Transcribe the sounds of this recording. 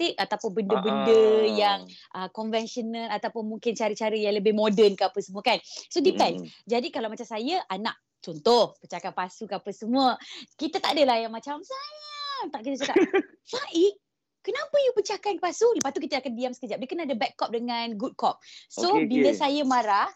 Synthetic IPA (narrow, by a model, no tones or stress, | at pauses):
t̪ɪk̚at̪apʊnbəndəbəndəjaŋʔəkɔnvɛnʃɔnəlat̪apʊnmuŋkɪnt͡ʃaɾət͡ʃaɾəjaŋləbɪhmodənkəapəsəmuəkansodipɛnsd͡ʒadikalawmat͡ʃamsajaʔana̰ʔ̚ | t͡ʃɔnt̪ʊhpət͡ʃakanpasukəapəsəmuəkit̪ət̪aʔdəlajamat͡ʃamsajət̪aʔkit̪at͡ʃoka | saʔi | kənapəjupət͡ʃakanpasuləpast̪ukit̪əakandiamsə̥kəd͡ʒap̚dəkənadəbɛkːɔp̚dəŋanɡut̚kɔp̚sobilasajamaɾah